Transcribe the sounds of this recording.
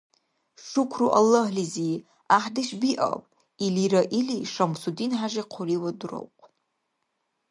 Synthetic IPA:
ʂukʷʰruʔalːahlizi | aħdaʃbiʔa̰pʼ | iliɾaʔiliʂamsudinħaʒaqʰoriwadro̰wqʼʰ

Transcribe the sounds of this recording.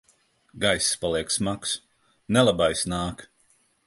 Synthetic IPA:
ɡajsspalˠiɛksmaks | nɛlˠabajsnaːk

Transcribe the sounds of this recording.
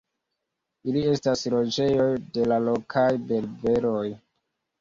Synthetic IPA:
ilie̞staslo̞d͡ʒe̞jo̞jde̞lalokʰajbe̞lbeɾo̞j

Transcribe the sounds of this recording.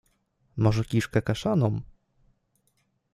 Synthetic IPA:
mɔʐɛkʲiʂkɛkaʂanɔm

